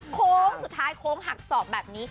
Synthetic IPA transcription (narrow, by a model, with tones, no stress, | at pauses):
kʰoː˦˥ŋsu˨˩t̪ʰːaː˦˥jkʰoː˦˥ŋɦa˨˩k̚sɔː˨˩p̚bɛː˨˩p̚niː˦˥